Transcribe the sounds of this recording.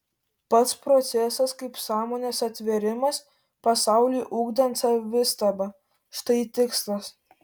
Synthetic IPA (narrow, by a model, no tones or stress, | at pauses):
pɐt̪spɾɔt̪sʲɛsɐskɐɪpsɑːmoːnʲesɐt̪ʲʋʲɛɾʲɪmɐs | pɐsɑˑʊlʲujʔuːɡd̪ɐnt̪sɐʋʲɪst̪ɐbɐ | ʃt̪ɐɪt̪ʲɪkslˠɐs